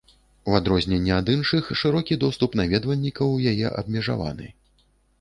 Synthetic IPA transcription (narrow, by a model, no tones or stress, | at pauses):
uad̪ɾɔzʲnʲɛnʲːɛad̪ɨnʂɨxʂɨɾɔkʲid̪ɔst̪upnavʲɛd̪vɐlʲːikɐwjajɛ̰ʔɐ̰bmʲɛʐa̰va̰nɨ̰